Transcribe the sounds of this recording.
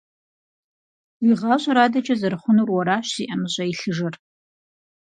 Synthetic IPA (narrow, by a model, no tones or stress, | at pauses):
wiʁɑːɕʼɐɾaːdɐt͡ʃʼɐzɐɾɨχʷʊnuːrwɔɾaːɕsiʔɐmɨɕʼɐiɬɨʐɐr